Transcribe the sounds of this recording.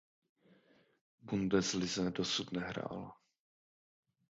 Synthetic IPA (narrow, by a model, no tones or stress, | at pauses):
bundɛzlɪzɛdosut̪nɛɦɾa̰ːla